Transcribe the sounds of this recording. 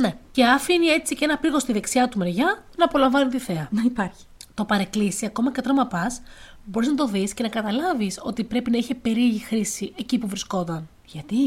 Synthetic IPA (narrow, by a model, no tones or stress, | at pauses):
ne̞ce̞ɐfinie̞t͡sicee̞nɐpiɣo̞st̪iðe̞ksiɐt̪ume̞ɾʝɐnɐːpo̞lɐɱvɐnit̪iθe̞ɐnɐipɐɾçi̥t̪o̞pɐɾe̞klisiɐko̞mɐce̞t̪ɾo̞mɐpɐs | bo̞ɾiznɐt̪o̞ðisce̞nɐkɐt̪ɐlɐviso̞̰t̪ipɾe̞pinɐiçepe̞ɾieʝixɾisiʔecipuvɾisko̞t̪ɐn | ʝɐt̪i